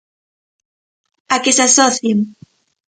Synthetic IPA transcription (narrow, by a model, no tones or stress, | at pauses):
akesasɔθjeŋ